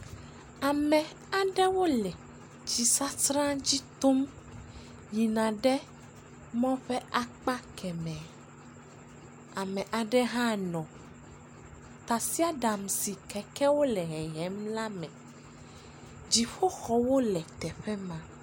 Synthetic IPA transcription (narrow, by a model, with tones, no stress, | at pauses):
a˨mɛ̃˨ | a˨ɖɛ˦wo˦lɛ˨ | t͡ʃi˨sa˦t̪ɾã˦d͡ʑi˦t̪o˦m | ji˨nã˨ɖɛ˦ | mɔ̃˦ɸɛ˦ʔa˦k͡pa˦kʰɛ˨mɛ̃˨ | a˨mɛ̃˨ʔa˨ɖɛ˦ɦã˦nɔ̃˨ | t̪a˨si˦a˦ɖa˨msi˨kɛ˨kɛ˦wo˦lɛ˨ɦɛ˨ɦɛ˦mla˦mɛ̃˨ | d͡ʑi˨ɸo˦xɔ˨wo˦lɛ˨t̪ɛ˨ɸɛ˦mã˦